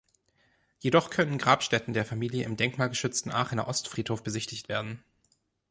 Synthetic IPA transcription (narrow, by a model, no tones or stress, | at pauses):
jedɔχkʰœnənɡʁaːpʃtɛtn̩deːɐfamiːljəʔɪmdɛŋkmaːlɡəʃʏt͡stn̩ʔa̰ːχɪna̰ʔɔstfʁ̥iːthoːfb̥əzɪçtɪçtv̥eːɐdn̩